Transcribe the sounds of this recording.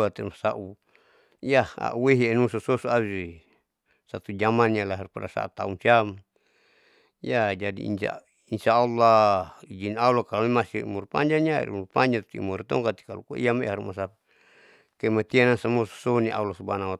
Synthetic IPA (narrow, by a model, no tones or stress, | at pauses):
at̪ɛmasaʔu | jaa̰ʔuweɦienusɔsosuawisi | sat̪ud͡ʒamanijalaɦirpaɾasa̰a̰t̪a̰umsiam | jad͡ʒadḭḭna̰ | insaːlːaid͡ʒinaulakalonimasḭmurpa̰ɲd͡ʒanjaḭɾṵmurpaɲd͡ʒat̪t̪imuɾit̪ɔŋkat̪i̥kalukuḭamɛ̰haɾmasa | kamat̪ianansamɔsɔ̥soniʔa̰ulasubanawa